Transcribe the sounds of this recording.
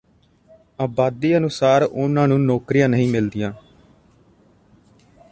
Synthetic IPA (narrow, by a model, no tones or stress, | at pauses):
aːbaːd̪iːənʊsaːɾʊnãːnũːnoːkɾijãːnəɦĩːmɪld̪ijãː